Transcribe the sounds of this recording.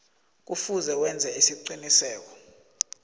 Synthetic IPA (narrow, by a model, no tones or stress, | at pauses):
k̬ufuzɛkwɛnd͡zʱɛesiǀinisɛːk̬ɔ̥